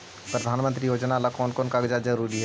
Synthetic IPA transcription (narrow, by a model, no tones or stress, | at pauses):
pɾɐd̪ʱaːnmə̃nt̪ɾijoːd͡ʒnalakɔːnkɔːnkaːɡd͡ʒazɐɾuːɾiɦɛ